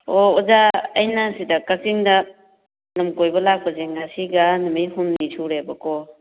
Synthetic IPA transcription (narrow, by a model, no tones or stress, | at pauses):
oɔzaɐjnasidɐkak̚siŋdɐ | nɐmkojbɐlak̚pɐzeŋɡasiɡanɐmiɦumnisʰuɾebɐkɔ